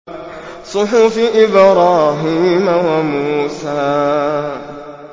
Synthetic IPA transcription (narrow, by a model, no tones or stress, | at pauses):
sʊħʊfiʔɪbɾaːɦimawamuːsaː